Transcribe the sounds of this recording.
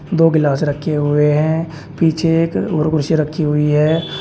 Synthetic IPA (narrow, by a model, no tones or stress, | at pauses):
d̪oːɡɪlaːsɾəkʰːeɦʊeɦɛ̃ | piːt͡ʃʰeːkoɾkʊɾʃiɾəkʰːiɦʊiɦɛː